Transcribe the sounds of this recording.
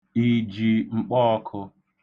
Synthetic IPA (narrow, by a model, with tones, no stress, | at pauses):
i˨d͡ʒi˨ŋ͡m̩˨k͡pɔ˦ɔ˦˧kʰʊ˧